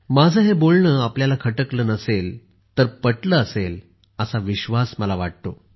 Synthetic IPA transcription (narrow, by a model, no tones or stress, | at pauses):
mad͡zʱəɦebolɳəːapljalakʰəʈəkləːnəsel | t̪əɾpəʈləːsel | əsaʋiɕʋasməlaʋaʈ̚t̪o